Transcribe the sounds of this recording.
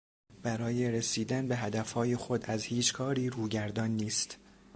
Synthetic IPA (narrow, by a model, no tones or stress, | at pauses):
b̥æɾɒːje̞ɾesiːd̪ænbe̞ɦæd̪æfhɒːje̞xo̞d̪æzhiːt͡ʃkʰɒːɾiːɾuːɟæɾd̪ɒːnːiːst̪